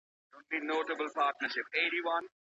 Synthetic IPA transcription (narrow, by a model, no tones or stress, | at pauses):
õnlinoːʈəbəlpaːɾʈnəɾʃɪpeːʈiʋʌ̃n